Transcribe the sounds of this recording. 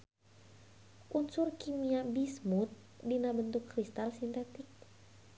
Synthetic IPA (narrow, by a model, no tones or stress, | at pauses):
ʔunsurkimiabismut̪̚ | dinabənt̪ukːɾist̪alsint̪ɛt̪ik̚